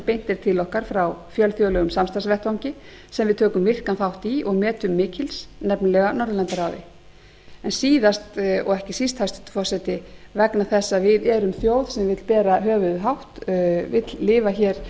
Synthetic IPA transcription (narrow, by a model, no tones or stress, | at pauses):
pejn̥t̪ɪɾ̥t̪ʰɪlɔhkaɾ̥fɾawfjœlθjowlɛɣʏmsamst̪ansvɛht̪awŋ̥cɪ | sɛmvɪðt̪ʰœːkʏmvɪr̥kanθawht̪iɔɣmɛːt̪ʏmːɪːcɪlsnɛpnalɛɣanɔɾðʏlant̪aɾawðɪ̰ | ɛnsiːðast̪ɔ̰ɣɛhcɪsist̪hajst̪ʏ̥ht̪fɔr̥sɛt̪ɪvɛknaθɛsːaðvɪðɛɾʏmθjoːwð̥sɛmvɪt̪lpɛːɾaɦœːvʏðʏɦawht̪vɪt̪llɪːvaçɛɾ̥